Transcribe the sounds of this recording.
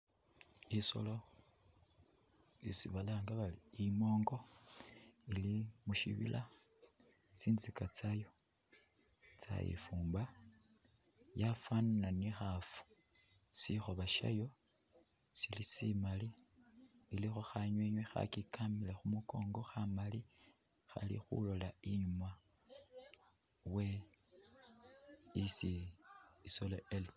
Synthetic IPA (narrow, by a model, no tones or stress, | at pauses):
iso̞̰lo̞ | isḭβalaːŋɡaβaliimo̞ːŋɡo̞ | ilimuʃḭβḭlʔa | et͡siːndizikat͡sajo̞ | t͡sa̰jḭfuːmba | jafannanixafu̥ | sixoβaʃa̰jo̞ | silisimaliː | lixoxaɲweɲwexa̰kikʰamile̞xumuko̞ːŋɡo̞xamali | xa̰lḭxṵlo̞laiɲuma | we̞ | isi | isoleel